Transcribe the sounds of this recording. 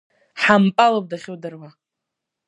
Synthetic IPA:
ħampʼalap̚ʼdaχʲowdarwa

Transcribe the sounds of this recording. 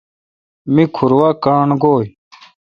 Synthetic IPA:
mikʰuɾwakaːɳɡoːj

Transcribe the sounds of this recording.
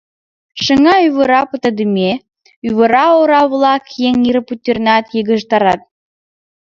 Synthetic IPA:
ʃəŋɑyβəɾɑpə̆t̪ə̆d̪əmʲe | yβəɾɑoɾɑβlˠɑkjeŋiɾəput̪ʲːørnɑt̪jəɣəʃt̪ɑɾɑt̪̚

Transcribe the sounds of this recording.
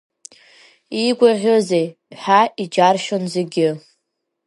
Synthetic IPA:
iɡʷaʁʲozej | ħᶣaʔid͡ʒarʃonzeɡʲɪ

